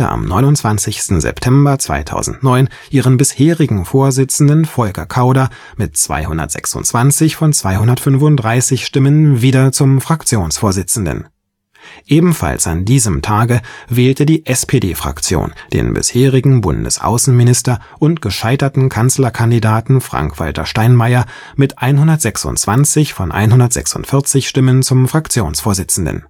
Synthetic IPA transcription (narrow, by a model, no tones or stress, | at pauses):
ə̰ʔa̰mnɔ̰ʏnʊntt͡sv̥ant͡sɪçstn̩zɛ̰ptʰɛmbɐt͡sv̥a̰ɪtʰa̰ʊzn̩tnɔʏn | ʔiːʁənbɪsheːʁɪɡŋ̩foːɐzɪt͡sn̩dənfɔlkɐkʰaʊdɐ | mɪt̚t͡sv̥a̰ɪhʊndɐ̰tz̥ɛ̰ksʊ̰ntt͡sv̥ant͡sɪçfɔnt͡sv̥aɪhʊndɐtfʏnvʊnt̚dʁaɪsɪçʃtɪmənviːdɐt͡sʊmfʁ̥akt͡sjoːnsfoːɐzɪt͡sn̩də̰n | ʔeːbm̩fa̰lsa̰ndiːzəmtʰaːɡəvɛːltədiːʔɛspʰedeːfʁ̥a̰kt͡sjo̰ːnd̥ḛːnbɪ̰sheːʁɪɡŋ̩bʊ̰ndə̰sʔa̰ʊsn̩mɪnɪstɐ | ʔʊntɡ̥əʃaɪtɐtn̩kʰant͡slɐkʰandidaːtn̩fʁ̥a̰ŋkv̥a̰ltɐ̰ʃtaɪnmaɪɐ | mɪtʔaɪnɦʊndɐtz̥ɛksʊ̰ntt͡sv̥ant͡sɪçfɔnʔa̰ɪnɦʊndɐtz̥ɛ̰ksʊ̰ntfɪɐt͡sɪçʃtɪmənt͡sʊmfʁ̥akt͡sjoːnsfoːɐzɪt͡sn̩də̰n